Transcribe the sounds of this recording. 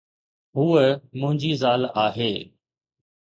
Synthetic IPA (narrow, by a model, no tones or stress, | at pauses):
ɦuːəmʊ̃ɦɪ̃ɲd͡ʑiːzaːlaːɦeː